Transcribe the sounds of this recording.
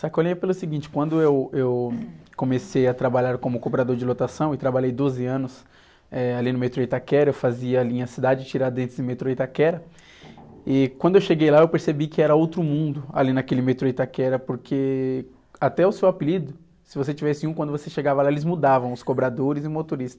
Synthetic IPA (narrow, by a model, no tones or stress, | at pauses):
sakolĩɲɐpelʊsiɡĩnt͡ʃɪ̥kwɐ̃nd̪ʊewewkõmesejɐt̪ɾabaʎaɾkõmʊkobɾad̪oɾd͡ʒɪlot̪asɐ̃w̃ɪt̪ɾabaʎejd̪ozɪɐ̃nʊs | ɛalinʊmet̪ɾojt̪akɛɾɐewfaziɐːlĩɲɐsid̪ad͡ʒɪt͡ʃiɾaɾd̪ẽnt̪ɾɪzɪ̃met̪ɾoit̪akɛɾɐ | ɪkwɐ̃d̪ʊewʃeɡejlaewpeɾsebikɪɛɾɐowt̪ɾʊmũnd̪ʊa̰linɐkelɪmet̪ɾoit̪akɛɾɐpoɾkʰe | at̪ɛʊsewapilid̪ʊ | sɪvos̬et͡ʃivɛsɪũkwɐ̃d̪ʊvoseʃeɡavɐlaelɪzmud̪avɐ̃w̃ʊskobɾad̪oɾɪzɪʊmot̪oɾist̪ɐ̥